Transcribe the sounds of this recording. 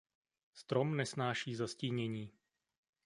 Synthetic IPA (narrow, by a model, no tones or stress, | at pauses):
st̪ɾomnɛsnaːʃiːzasciːɲɛɲiː